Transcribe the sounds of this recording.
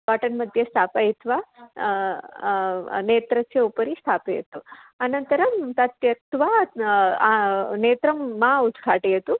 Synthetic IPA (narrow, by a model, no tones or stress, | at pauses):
paʈɐnmɐd̪ʱjest̪ʰapajt̪ʰʋa | neːt̪ɾɐsjeupəɾist̪ʰapejḛt̪ũanɐnt̪əɾɐmt̪ɐt̪jɐt̪ʰʋa | neːt̪ɾɐmːãud̪ɡʰʱaʈiɐt̪ũ